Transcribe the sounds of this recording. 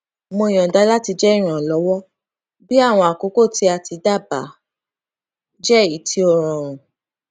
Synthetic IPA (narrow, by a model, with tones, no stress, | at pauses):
mõ˧ĩ˨ɔ̃˨da˨˦la˦ti˧d͡ʒɛ˦i˦˨ɾ̃ã˨lɔ˨˦wɔ˦ | bi˦a˦˨w̃ɔ̃˧a˨ko˨˦ko˦˨ti˧˦a˧ti˧da˦˨ba˨˦ | d͡ʒɛ˦i˨˦tʰi˧˦ɔ˧˨ɾ̃ɔ̃˨ɾ̃ũ˨